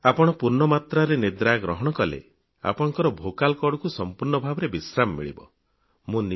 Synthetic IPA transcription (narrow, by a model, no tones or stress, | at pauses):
apɔɽ̃ɔpuɾɳɔmat̪ɾaɾenid̪ɾaɡɾɔɦɔɽ̃ɔkɔlḛ | a̰pɔɽ̃ɔ̃ŋkɔɾɔbʱokalkɔɽɔkusɔmpuɾɳɔbʱabɔɾebisɾamɔmḭɭḭbɔ̰ | mũni